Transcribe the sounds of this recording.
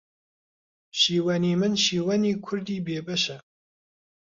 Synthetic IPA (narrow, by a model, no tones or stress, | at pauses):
ʃiːwɐniːmɨnʃiːwɐniːkʰʊɾd̪iːbeːbɐʃɐ